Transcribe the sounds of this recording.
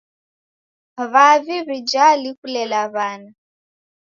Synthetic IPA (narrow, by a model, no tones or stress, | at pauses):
βaviβid͡ʒalikulɛlaβana